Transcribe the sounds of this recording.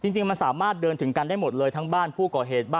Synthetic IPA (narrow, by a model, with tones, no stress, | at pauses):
t͡ɕi˧ŋt͡ɕi˧ŋma˧nsaː˩˦maː˥˩t̪̚dɤː˧nt̪ʰɯ˩˦ŋka˧ndaː˥˩jmo˨˩t̪̚lɤː˧jt̪ʰa˦˥ŋbaː˥˩npʰuː˥˩kɔː˨˩ɦeː˨˩t̪̚baː˥˩